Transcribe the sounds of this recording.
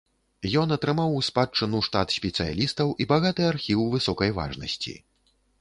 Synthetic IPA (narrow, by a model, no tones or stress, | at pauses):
jɔnɐt̪ɾɨmawuspat͡ʂɨnuʂt̪at̪sʲpʲɛt̪sɨja̰lʲist̪ɐwʔibaɣat̪ɨarxʲiwvɨsɔkɐjva̰ʐnɐ̰sʲt͡sʲḭ